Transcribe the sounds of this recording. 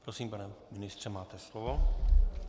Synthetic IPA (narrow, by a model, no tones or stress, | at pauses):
pɾosiːmpanɛmɪnɪst̪rɛmaːt̪ɛslovo